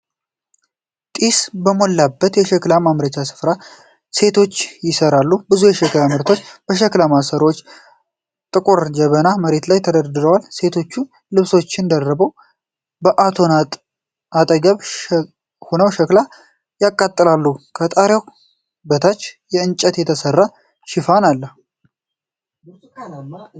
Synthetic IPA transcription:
t̪ʼisbəmo̞lːabːət̪jɛʃɛklamamɾət͡ʃasɨ̥fɾa | se̞t̪ʰo̞t͡ʃːjɪsəɾalːubɨzujɛʃɛklamɨɾt̪ʰo̞t͡ʃːbəʃ̬əklamasəɾo̞t͡ʃː | t̪ʼɨkʼuɾd͡ʒɛβənaməɾe̞t̪lajt̪ʰəd̪əɾd̪ɨɾəwalse̞t̪ʰo̞t͡ʃːu | lɨβso̞t͡ʃːɪnd̪ərːəbəw | bəʔat̪ʰo̞na | at̪ʼəɡəβ | honəwʃəkla | jakʼːat̪ʼːɨlalːukʰət̪ʼaɾjaw | bət̪ʰat͡ʃːjɛɨnt͡ʃʼːət̪jɛt̪ʰəsərːa | ʃɪfanalːə

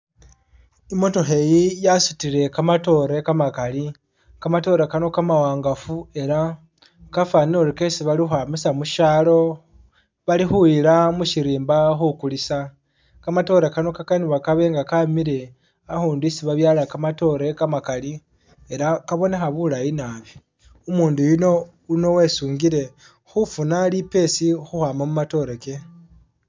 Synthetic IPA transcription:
imo̞to̞xe̞jijasutiɾe̞kamato̞ɾekamakali | kamato̞ɾekano̞kamawaːŋɡafue̞ɾa | kafanioɾike̞siβaliuhamisamuʃalo̞ | βalixuilamuʃiɾiːmbaxukulisa | kamato̞ɾekano̞kakaniβakaβe̞ːŋɡakamiɾe̞ | axuːnduisiβaβjaːlakamato̞ɾe̞kamakali | eɾakaβo̞nexaβulajinaβi | umuːndujino | uno̞we̞suːŋɡiɾe̞ | xufunalipe̞sixuhwaːmamumato̞ɾeke̞

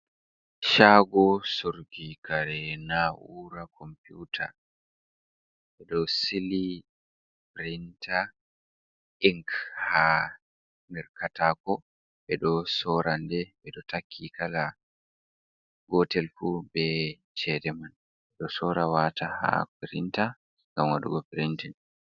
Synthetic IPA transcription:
ʃaːɡɔsoɾɡikaɾɛnaʔuɾakʰɔmputʰa̰ | ɓɛɗɔsili | pɾintʰa | ʔiŋkha | nɛɾkatakɔ | ɓɛɗɔsɔɾandɛbɛɗɔtʰakʰːikala | ɡɔtɛlfubɛ | t͡ʃɛdɛman | ɛɗɔsɔɾawatʰaha̰pɾinta | ŋɡamwaɗṵɡɔpɾintin

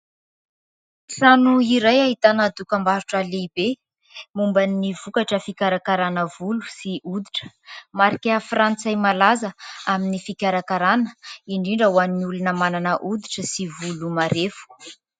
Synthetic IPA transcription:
sanuiɾajaɦit̪anad̪ukəmbaɾuʈ͡ʂalibe | mumbanːivukaʈ͡ʂəfikʲaɾakaɾanəvulu̥siʔud̪iʈ͡ʂə̥ | maɾikʲafrant͡sajmalazəaminifikʲaɾakaɾanə̥iɳɖ͡ʐiɳɖ͡ʐəwanːiulunəmananəʔud̪iʈ͡ʂəsivulumaɾefu̥

